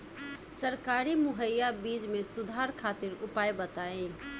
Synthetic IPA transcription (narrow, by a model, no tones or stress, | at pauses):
səɾkaːɾimʊɦəjːabiːd͡ʒmẽsʊd̪ʱaːɾkʰaːt̪ɪɾʊpaːjbət̪aːe